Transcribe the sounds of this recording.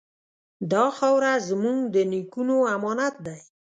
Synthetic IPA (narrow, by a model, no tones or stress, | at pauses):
d̪ɑxawɾazmuŋɡd̪ənikunoamɑnat̪̚d̪aj